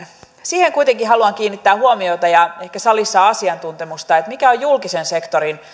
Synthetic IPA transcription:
siːheŋkujt̪eŋkiɦɑluɑŋkiːnːit̪ːæːhuomiot̪ɑjɑehkæsɑlisːɑɑsiɑnt̪unt̪emust̪ɑet̪mikæojjulkisensekt̪oɾin

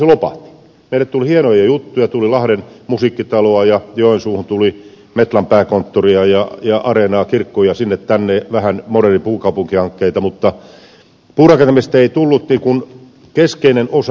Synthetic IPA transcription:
selopɑ̰ht̪ːi̥ | meilːˑæt̪ulihienojɑjut̪ːujɑt̪ulilɑhɾenmusiːkːit̪ɑloɑjɑjoensuːhunt̪uli | met̪lɑmpæːkont̪ːoriɑjɑjɑʔɑrenɑːkirkːojɑsinːet̪t̪ænːeʋæhænmoɾeripuːkɑupuŋkihɑŋkːeit̪ɑmut̪ːɑ | puːrɑkent̪emest̪æeit̪ulːut̪niːkun | keskeinenos

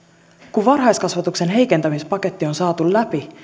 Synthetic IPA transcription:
kuʋʋɑrɦɑjskɑsʋɑt̪ukse̞nɦe̞jke̞nt̪æmispɑke̞t̪ːio̞nsɑːt̪ullæpi

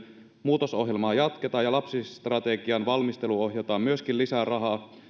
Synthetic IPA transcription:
muːt̪oso̞ɦjelmɑːjɑt̪ket̪ɑːjɑlɑpsist̪rɑt̪eɡiɑnʋɑlmist̪e̞luoɦjɑt̪ɑːmyøskillisærɑɦɑː

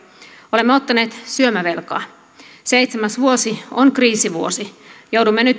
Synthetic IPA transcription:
olemːeot̪ːɑneːt̪syømæʋe̞lkɑ̰ː | se̞jt̪semæsʋuo̞sionkriːsiʋuosijowdumːenyt̪

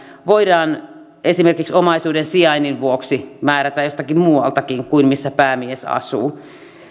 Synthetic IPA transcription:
ʋoidɑːn | esimerkiksomɑisuːdensiɑininʋuoksimæːɾæt̪æjjost̪ɑkimmuːɑlt̪ɑkiŋkuinmisːæpæːmiesɑ̰sṵː

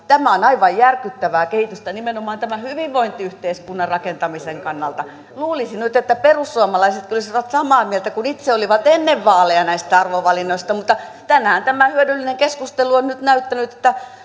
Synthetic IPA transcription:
t̪æmæonɑiʋɑjjærkyt̪ːæʋæːkehit̪yst̪ænimenomɑːnt̪æmæhyʋiʋʋoint̪iyht̪eiskunːɑrɑkent̪ɑmiseŋkɑnːɑlt̪ɑ | luːlisinyt̪et̪ːæperusːuɑmɑlɑiset̪kolisiʋɑt̪sɑmɑːmiɛlt̪ækunit̪seoliʋɑt̪enːeʋʋɑːleɑnæist̪æɑrʋoʋɑlinːoist̪ɑmut̪ːɑt̪ænːhænt̪æmæhyødylːineŋkeskust̪eluonnyt̪næyt̪ːænyt̪ĕ̥t̪ːæ

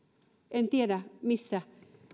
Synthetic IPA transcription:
ent̪jeɾamisa

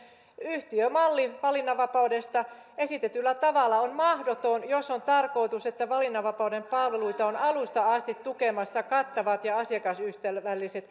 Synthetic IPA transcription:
yht̪iømɑlːiʋɑlinːɑʋɑpɑudest̪ɑesit̪et̪ylːæt̪ɑʋɑlːɑonmɑhdot̪onjosont̪ɑrko̞it̪uset̪ːæʋɑlinːɑʋɑpɑudempɑlʋeluit̪ɑonɑlust̪ɑɑst̪it̪tukemɑsːɑkɑt̪ːɑʋɑt̪jɑɑsiɑkɑsyht̪æʋælːiset̪

